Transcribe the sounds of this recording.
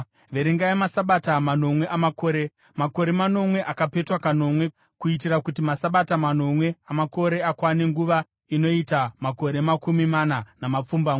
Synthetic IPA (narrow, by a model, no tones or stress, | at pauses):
ʋe̞ɾiŋɡaemasaɓatamano̞mwe̞ʔamako̞ːɾe | mako̞ɾe̞mano̞mwe̞ʔakape̞twakano̞mwe̞ | kuitiɾakutimasaɓatamano̞mwe̞amako̞ɾe̞akwaneŋɡuʋa | ino̞itamako̞ɾe̞makumimananamap͡fumbaŋ